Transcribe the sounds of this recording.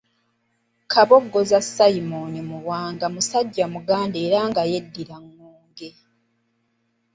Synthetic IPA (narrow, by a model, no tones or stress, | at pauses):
kʰaβo̞ɡːo̞zasaimonimuβwaːŋɡamusaɟːamuɡaːndeːɾaŋɡaje̞dːiɾaŋːuːŋɡe̞